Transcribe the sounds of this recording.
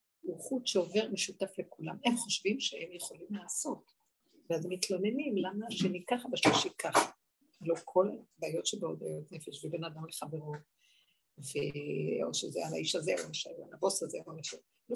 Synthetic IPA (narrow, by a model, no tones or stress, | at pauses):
uχutʃeo̞ve̞ʁmeʃutaflekulame̞mχoʃvimʃeemjeχo̞limlaːso̞t | veazemitlo̞ne̞nimlamaʃenikaχabaʃliʃikʰaχa | lokʰolabaːjo̞tʃebeoda̰jotne̞feʃvebenad̪amleχave̞ʁo | veo̰ʃezeala̰iʃazeoaʃala̰labo̞sazemoefe | lo